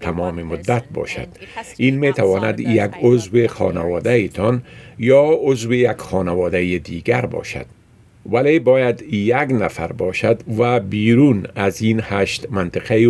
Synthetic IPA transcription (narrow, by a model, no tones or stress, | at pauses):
t̪ʰamɔːmemʊd̪ːat̪̚bɒ̰ʃa̰d̪̥iːnmet̪awɒːnad̪jaɡʊzwexɒ̰ːnawɒd̪ajɪt̪ʰɒnjɒːʊzwejaɡxɒːnawɒːd̪ajed̪iɡaɾbɒ̰ʃa̰d̪̥ | walebɒːjad̪jaɡnafa̰ɾbɒʃad̪vabiːɾunazinhaʃt̪mant̪ɪqa